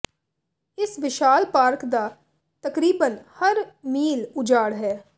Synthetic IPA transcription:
ɪsʋɪʃaːlpaːɾkd̪a | t̪ɐkɾiːbənhɐɾmiːlʊd͡ʒaːɽɦɛː

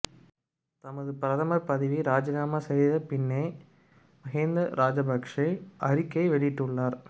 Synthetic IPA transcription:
t̪ɐmɐðɯpɪɾɐðɐmɐɾpɐðɪʋiɾaːd͡ʒɐɣaːmasɛjðɐpɪnːe | mɐɣend̪ɐɾʔaːd͡ʒɐbɐkʂɐʔɐɾɪkːɐɪʋɛɭɪɪʈːɯɭːaːɾ

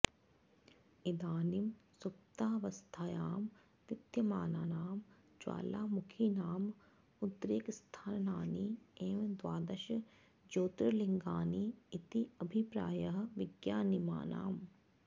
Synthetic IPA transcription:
id̪aːnimsup̚t̪aːʋɐst̪ʰaːjaːm | ʋɪt̪jɐmaːnaːnaːm | d͡ʒwa̰ːlaːmukʰiːnaːm | ut̪ɾeːkst̪ʰaːnnaːnieːʋd̪waːd̪ɐʃ | d͡ʒoːt̪ɾɐliŋɡaːniːt̪iɐbʱipɾa̰ːjɐɦɐʋɪɡjaːnima̰ːna̰ːm

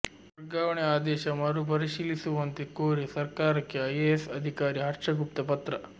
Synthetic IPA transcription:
ʋɐɾɡaːʋɐɳeaːd̪ɛːʃɐmɐɾup̬ɐɾiʃiːlisuʋɐnt̪ikoːɾisɐɾkaːɾɐkːeɐjeesɐd̪ʱikaːɾiɦɐɾt͡ʃɐɡup̚t̪ɐpɐt̪ɾɐ

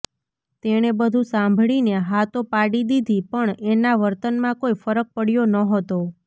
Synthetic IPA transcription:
t̪eɳ̃ebəd̪ʱũsãmbʱɭineɦat̪opaɽid̪id̪ʱipəɳenaʋəɾt̪ənmãkoifəɾək̚pəɽjonəɦət̪o

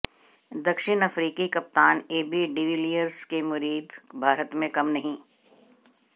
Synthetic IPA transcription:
d̪ɐkʃɪnɐfɾiːkikɐp̚t̪aːneːbiɖɪʋilijəɾskemʊɾiːd̪bʱaːɾət̪mẽkɐmnɐɦĩː

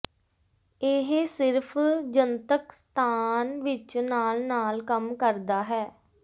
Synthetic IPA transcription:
ɪɦsɪɾpʰd͡ʒənt̪əkst̪ʰaːnʋɪt͡ʃnaːlnaːlkəmkəɾd̪aːɦɛː

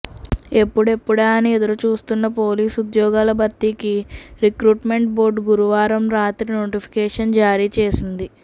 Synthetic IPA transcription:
e̞pːuɽe̞pːuɽaːnied̪ɐɾut͡ʃuːst̪unːɐpo̞ːliːsud̪jɔːɡaːlɐbʱɐt̪ːikiɾikɾuːʈme̞ɳʈbo̞ːɾɖɡuɾuʋaːɾɐmɾaːt̪ɾino̞ːʈipʰi̥kɛːʂɐnd͡ʒaːɾiːt͡ʃeːsind̪i

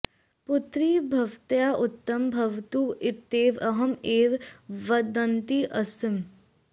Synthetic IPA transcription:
pʊt̪ɾiːbʱɐʋt̪jaːʔʊt̪ːɐmbʱɐʋt̪uɪt̪eːʋɐɦɐmeːʋʋɐd̪ɐnt̪iʔɐst̪ɪm

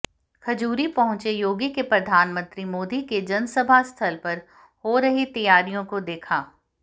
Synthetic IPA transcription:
kʰɐd͡ʒuːɾipɐɦʊ̃t͡ʃejoːɡikepɾɐd̪ʱaːnmə̃nt̪ɾimoːd̪iked͡ʒɐnsəbʱast̪ʰɐlpɐɾ | hoɾɐɦit̪ɐjaːɾijõkod̪eːkʰaː

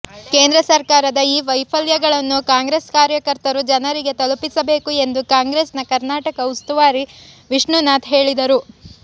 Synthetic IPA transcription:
ke̞ːnd̪ɾɐsɐɾkaːɾɐd̪ɐiːʋɐjpʰɐljɐɡɐɭɐnːukaːŋɡɾe̞ːskaːɾjɐkɐɾt̪ɐɾud͡ʒɐnɐɾiɡe̞t̪ɐlupisɐbe̞ːkue̞nd̪ukaːŋɡɾe̞ːsnɐkɐɾnaːʈɐkɐust̪uʋaːɾiʋiʂɳunaːt̪ɦe̞ːɭid̪ɐɾu

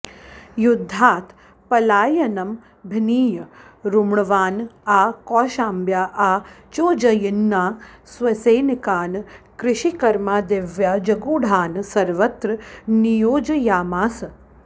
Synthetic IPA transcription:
jud̪ʱːaːt̪ʰ | pɐlaːjɐnɐm | bʱiniːjɐɾumɳɐʋaːnaːkoːʃaːmbjaːʔaːt͡ʃoːd͡ʒɐjinːaːsʋɐseːnikaːnkɾɪʃikɐɾmaːd̪eːʋjaːd͡ʒɐɡuːɽ̤ʱaːnsɐɾʋɐt̪ɾɐnijoːd͡ʒɐjaːmaːsɐ

